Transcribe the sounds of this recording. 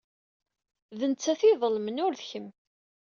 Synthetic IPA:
ðənt͡sːæθiðˤəlmənʊɾðçəm

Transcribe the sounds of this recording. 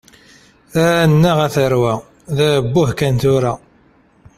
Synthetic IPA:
θæɾnːæʁæθəɾwæ | ðæbːʊhkænt̪ʊɾæ

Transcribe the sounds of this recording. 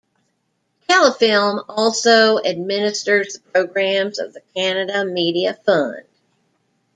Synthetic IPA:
kʰælˠəfɪlˠmɔlˠsoʊɨd̚mɪ̃nɨstə˞zðəpʰɹ̥oʊɡɹæ̃mzʌ̰vðɨkʰænɨɾɨmiɾiɨfʌ̃nd̥

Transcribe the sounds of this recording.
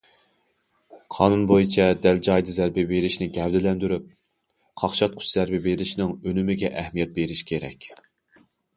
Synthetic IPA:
qʰɑ̰ːnunbojit͡ʃʰɛd̪æld͡ʒɑjd̪ɨzæɾbɪbeɾɪʃnɪɡʲɛvd̪ɪlɛnd̪yɾyp̚ | qʰɑχʃɑt̪̚qʰʊ̥t͡ʃz̥æɾbɪbeɾɪʃnɪŋønymɪɡʲɛʔɛhmijɛt̪̚beɾɪʃkʲʰeɾɛ̰kʲ

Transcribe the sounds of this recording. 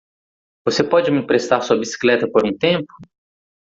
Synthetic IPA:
vosepɔd͡ʒɪmɪpɾest̪aɾsuɐbisi̥klɛt̪ɐpoɾũt̪ẽmpʊ̥

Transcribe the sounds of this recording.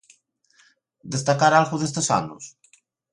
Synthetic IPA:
d̪est̪akaɾalɣuzðest̪esa̰nus

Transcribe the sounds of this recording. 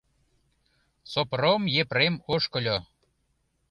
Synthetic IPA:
sopromjepremoʃkə̆lʲo

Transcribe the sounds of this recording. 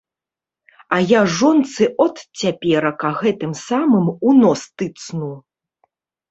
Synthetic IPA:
ɐjaʐɔnt̪sɨʔɔt̪t͡sʲapʲɛɾɐkɐɣɛt̪ɨmsamɨmunɔst̪ɨt̪snu

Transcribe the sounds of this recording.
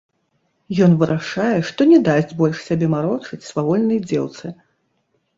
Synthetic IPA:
jɔn̪vɨɾʔaʂajɛʂt̪ɔnʲɛd̪asʲd͡zʲbɔlʲʂsʲabʲɛmaɾɔt͡ʂɨt͡sʲsvavɔlʲnɐjd͡zʲɛ̰wt̪sɨ

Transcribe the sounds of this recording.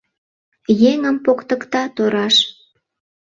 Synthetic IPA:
jeŋəmpokt̪əkt̪ɑt̪oɾɑʃ

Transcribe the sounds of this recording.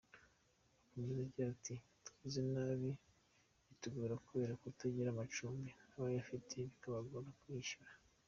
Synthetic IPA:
ukumezaɟiatʰitu̥izenaːβi | ituɡuɾakuβe̞ːɾakutaɟiɾamat͡ʃuːmbinaːβajafitʰe̞βikaβaɡoɾakwiːʃuɾa

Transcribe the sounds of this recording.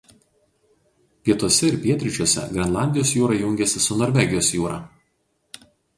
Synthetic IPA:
pʲiɛt̪uɔsʲɛɪɾpʲiɛt̪ʲɾʲɪt͡ʃʲuɔsʲɛ̰ɡɾʲɛnlˠɑˑnʲd̪ʲɪjoɔsjuːɾɐjʊŋʲɡʲɛsʲɪsʊnoːɾʲʋʲɛɡʲɪjoːsjuːɾɑ̰

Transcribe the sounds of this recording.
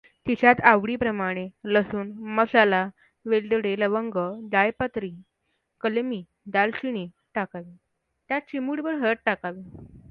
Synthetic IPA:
t̪it͡ɕat̪aʋɽiːpɾəmaɽ̃eləsuːnməsala | ʋelɖɽeləʋəŋɡəd̪ajpət̪ɾi | kəlmiː | d̪alɕiñi | ʈakaʋiː | t̪jat͡ɕimuɽbəɾɦəɾət̪̚ʈakaʋi

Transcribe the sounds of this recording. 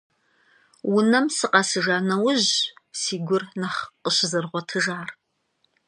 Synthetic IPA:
wʊnɐmsɨqʼɐsɨʒaːnɐwʊʑsiːɡʷʊrnɐχqəɕɪzɨrʁʷɔtʰɨʒaːr

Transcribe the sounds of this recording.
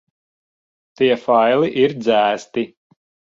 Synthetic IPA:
t̪iɛfajlˠiʔiɾd̪zæːst̪i

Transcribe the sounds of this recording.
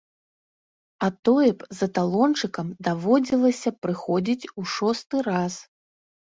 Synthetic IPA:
at̪ɔjɛpzɐt̪alˠɔnt͡ʂɨkɐmd̪avɔd͡zʲilˠɐsʲɐpɾɨxɔd͡zʲit͡sʲuʂɔst̪ɨɾas

